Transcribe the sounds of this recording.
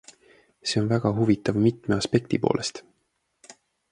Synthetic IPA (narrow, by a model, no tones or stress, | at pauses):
se̞onvæɡ̥ɑɦuvit̪ːˑɑvmit̪me̞ɑspe̞k̚t̪ipo̞̰ːlʔe̞st̪